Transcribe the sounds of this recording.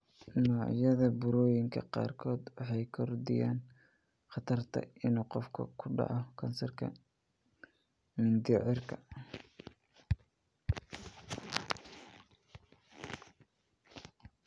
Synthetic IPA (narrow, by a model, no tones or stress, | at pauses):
nɔːʕjɐðɐbʊɾɔːjɪŋkʰɐqɑ̰ːrkʰɔːd̪wɑħɑjkʰɔrd̪ɪ̰ja̰ːn | χɑt̪ʰɐrt̪ʰɐ̰ɪnuːqɔfkʰɐ̰kʰʊɖɑ̰ʕɔkʰɐnsɐrkʰɐ̰ | mɪnd̪ɪʕɪrkʰɐ